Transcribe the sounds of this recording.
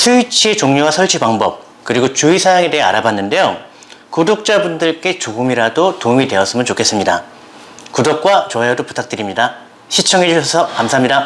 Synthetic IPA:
sʰuit͡ɕʰie̞t͡ɕoŋɲowasʰʌɭt͡ɕʰibaŋbʌp̚ | kɯɾiɡot͡ɕuisʰajaŋe̞de̞ɦea̰ɾabanːɯnde̞jo | kudok̚t͡ɕ͈abundɯɭk͈e̞t͡ɕoɡɯmiɾadotomide̞ʌs͈ɯmɯnt͡ɕokʰe̞s͈ɯmɲida | kudok̚k͈wat͡ɕʌɦedopu̥tʰak̚t͈ɯɾimɲida | ɕʰit͡ɕʰʌŋɦed͡ʑuɕʰʌsʰʌkamsʰaɦamɲida

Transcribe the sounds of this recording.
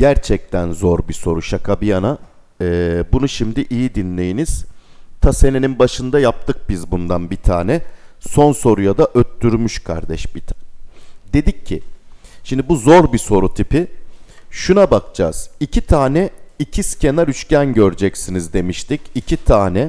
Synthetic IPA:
ɟæɾt͡ʃʰɛc̚t̪ʰænzo̞ɾbiso̞ɾuʃakʰabijana | ɛːbunuʃimd̪iʔijid̪inlʲe̞jiniz̥t̪ʰase̞neninbaʃɯnd̪ajap̚t̪ʰɯk̚bizbund̪anbit̪ʰaːnɛso̞nso̞ɾujad̪aʔøt̪ːyɾmyʃkʰa̰ɾd̪ɛʃbit̪ʰ | d̪e̞d̪icʰːiʃimd̪ibuzo̞ɾbiso̞ɾut̪ʰipi | ʃunabakt͡ʃa̰ːz̥icʰit̪ʰaːnɛicʰisce̞naɾyt͡ʃcænɟø̞ɾd͡ʒɛcsinizd̪e̞miʃt̪ʰicicʰit̪ʰaːnɛ

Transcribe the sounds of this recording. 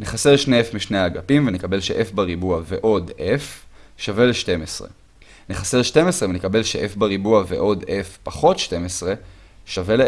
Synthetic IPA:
niχase̞ʁʃnefmiʃneaɡapimvenekabe̞lʃḛʔefbaʁibuaveʔo̞defʃave̞leʃte̞mesʁḛ | niχase̞ʁʃte̞mesʁevenekabe̞lʃeʔefbaʁibuavḛʔo̞de̞fpaχo̞tʃte̞mesʁe̞ | ʃavele

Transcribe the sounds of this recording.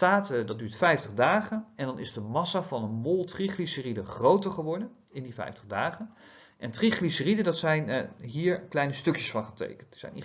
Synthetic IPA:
taːtdɑd̚dyːɹtfɛjftəχdaːχənɛndɑnɪzdəmɑsavɑnənmolˠtriχlisəridəχrowtəɹχəʋɔɹdən | ɪndifɛ̰jftəχdaːχən | ʔɛntriχlisəridədɑtsɛjnɦiːɹklɛjnəstɵkjəsfɑnχətḛjkəntdə̥z̥ɛ̰jn̰

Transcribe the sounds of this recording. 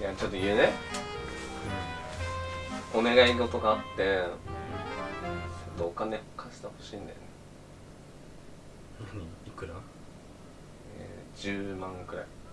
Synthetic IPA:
jat͡ɕo̞t̪ːoiene | o̞ne̞ɡaiɡot̪o̞ɡaːt̪ːe̞ | at͡ɕot̪ːoːkane̞kʰaɕi̥t̪aho̞ɕĩːnd̪a̰jo̰ne | iikːɯ̟na | ḛd͡ʑɨːmãŋkɯ̟ɾa̰i

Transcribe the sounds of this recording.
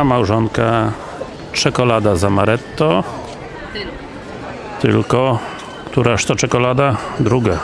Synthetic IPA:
amawʐɔnka | t͡ʂɛkɔlad̪azamaɾɛt̪ːɔ | t̪ɘ̰lkɔ | kt̪uɾaʂt̪ɔt͡ʂɛkɔlad̪ad̪ɾuɡa

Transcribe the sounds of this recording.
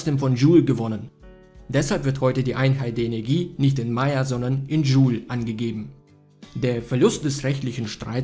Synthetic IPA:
sd̥eːmfɔnʒuːlɡəvɔnən | dɛshalpv̥ɪɐthɔʏtədiːʔaɪnɦaɪt̚d̥eːɐʔenɛɐɡiːnɪçtɪnmaɪazɔndɐnʔɪnʒuːlʔanɡəɡeːbm̩ | deːɐfɛɐlʊst̚d̥ɛsʁɛçtlɪçn̩ʃtʁ̥a̰ɪ

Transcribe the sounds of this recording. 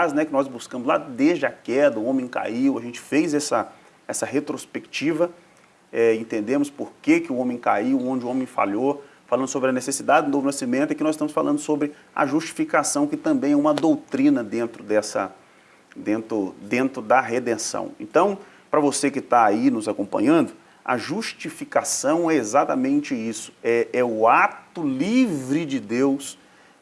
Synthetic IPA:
aznɛkɪnɔzbuskɐ̃mʊzla̰d̪ezd͡ʒɪɐkɛd̪ɐʊõmẽj̃ka̰iwɐʒẽnt͡ʃɪ̥fejzɛsɐ | ɛsɐɦet̪ɾospekt͡ʃivɐ | ɛẽnt̪ẽnd̪ẽmʊspoɾkekɪʊõmẽj̃kaiwõd͡ʒɪʊõmẽj̃fa̰ʎofalɐ̃d̪ʊsobɾɪɐnesesid̪ad͡ʒɪd̪ʊnovʊnasimẽnt̪ʊɛɐkinɔzɪst̪ɐ̃mʊsfalʔɐ̃nd̪ʊsobɾɪ | ɐ̰ʒust͡ʃi̥fikasɐ̃w̃kɪt̪ɐ̃mbẽj̃ɛũmɐd̪owt̪ɾĩnɐd̪ẽnt̪ɾʊd̪ɛsɐ̰ | d̪ẽnt̪ɾʊd̪ẽnt̪ɾʊd̪ɐɦed̪ẽsɐ̰̃w̃ḛ̃nt̪ɐ̃w̃ | pɾɐvosekɪt̪aːinʊzakõpɐ̰̃ɲɐ̃nd̪ʊ | ɐ̰ʒuʃt͡ʃifikasɐ̃w̃ɛezat̪ɐmẽnt͡ʃɪisʊ̥ɛʔɛʊat̪ʊlivɾɪd͡ʒɪd̪ews

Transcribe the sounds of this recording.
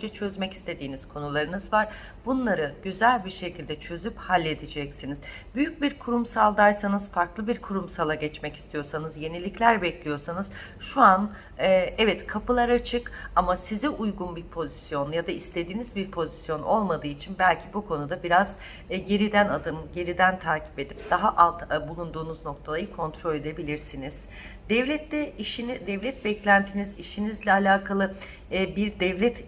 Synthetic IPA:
ønd͡ʒɛt͡ʃʰø̞zmɛci̥st̪ʰe̞d̪iːniz̥kʰo̞nulˠaɾɯnɯzvaɾ̥ | bunlˠaɾɯɟøzælʲbiɾʃe̞cʰilʲd̪ɛt͡ʃʰø̞zyphalʲːe̞d̪id͡ʒɛcsiniz | byjyc̚biɾkʰuɾumsalˠd̪aɾsanɯz̥faɾklˠɯbiɾkʰuɾumsalˠaɟɛt͡ʃmɛci̥st̪ʰijo̞ɾsanɯzje̞nilʲiclʲæɾbɛclʲijo̞ɾsanɯz̥ | ʃuan | ɛɛvɛt̪kʰapɯlˠaɾat͡ʃʰɯkamasiziʔujɡunbiɾpʰo̞zisjo̞njad̪aist̪ʰe̞d̪iːnizbiɾpʰo̞zisjo̞no̞lˠmad̪ɯːit͡ʃʰinbælʲcʰibukʰo̞nud̪abiɾaz | ɟe̞ɾid̪ænad̪ɯmɟe̞ɾid̪ænt̪ʰaːcʰi̥pe̞d̪ip̚d̪̥aɦaʔalˠt̪bulˠund̪uːnuzno̞k̚t̪ʰalˠajɯkʰo̞nt̪ʰɾo̞lʲe̞d̪e̞bilʲiɾsiniz̥ | d̪̥ɛvlʲɛt̪lɛiʃnid̪ɛvlʲɛt̪̚bɛclʲænt̪ʰiniziʃinizlʲɛalʲaːkʰalˠɯ | biɾd̪ɛvlʲɛt̪

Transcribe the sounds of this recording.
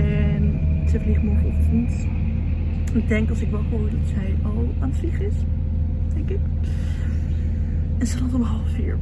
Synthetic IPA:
ɛnsəfliχəmɔɹχəɔftənt | ɪɡ̚dɛŋkɑlˠsɪkʋɛlˠχəʊːɹdɑtsɛj | ɑlˠaːnfliχɪs | d̥ɛŋkɪk | ɛnsədɑtəbəɦɑlˠəfḭːɹ

